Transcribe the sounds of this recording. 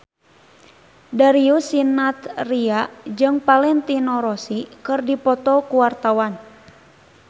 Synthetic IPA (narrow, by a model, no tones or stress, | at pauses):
daɾiusinat̪riaʔd͡ʒɨŋpalɛnt̪inɔɾɔsikɨrdipɔt̪ɔkuwart̪awan